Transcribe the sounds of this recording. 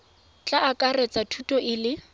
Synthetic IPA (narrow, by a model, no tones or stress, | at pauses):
t͡ɬʼaʔakʼarɛt͡sʼatʰutʼɔʔɪlɪ